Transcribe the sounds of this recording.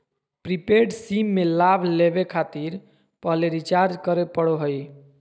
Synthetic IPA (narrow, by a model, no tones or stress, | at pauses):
pɾipeɖsimːelabʱlebekʰat̪iɾ | pəɦleɾit͡ʃaɾd͡ʒkəɾepəɽoɦəj